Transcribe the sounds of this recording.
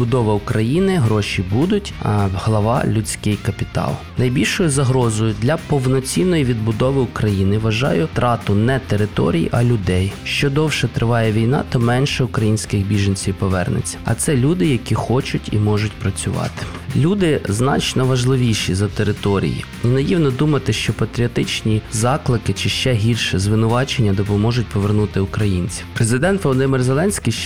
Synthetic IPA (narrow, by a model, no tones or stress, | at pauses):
bʊd̪ɔʋɐʊkɾɐjinɪɦɾɔʃʲibud̪ʊtʲɐhlˠɐʋɑ̰lʲʊt͡sʲkɪjkɐpʲit̪ɑ̰lˠnɐjbʲilʲʃɔjʊzɐɦɾɔzɔjʊd̪lʲɐpɔwnɔt͡sʲinːɔjiʋʲid̪̚bʊd̪ɔʋɪʊkɾɐjinɪʋɐʒɑ̰jʊt̪ɾɑt̪ʊnɛt̪eɾɪt̪ɔ̰ɾʲijʔɐlʲʊd̪ɛjʃt͡ʃɔd̪ɔwʃɛt̪ɾɪʋɑjɛʋʲijnɑ̰t̪ɔmɛnʃɛʊkɾɐjinʲsʲkɪɣbʲiʒɐnʲt͡sʲiwpɔʋɛ̰rnɪ̰t͡sʲːɐ̥ɐ̰t̪sɛlʲud̪ɪjɐkʲixɔt͡ʃʊtʲḭmɔʒʊtʲpɾɐt͡sʲʊʋɑ̰t̪ɪ̥ | lʲud̪ɪznɑ̰t͡ʃnɔʋɐʒlˠɪʋʲiʃizɐt̪eɾɪt̪ɔɾʲḭjḭ | inɐjiwnɔd̪umɐt̪ɪʃt͡ʃɔpɐt̪ɾʲiɔt̪ɪt͡ʃnʲizɑklˠɪkɪt͡ʃɪʃt͡ʃɛɦʲilʲʃɛzʋɪnʊʋɑt͡ʃenʲːɐd̪ɔpɔmɔʒʊtʲpɔʋernut̪ɪʊkɾɐjinʲt͡sʲiwpɾezɪd̪ɛnt̪ʋɔlˠɔd̪ɪmɪrzelˠɛnʲsʲkij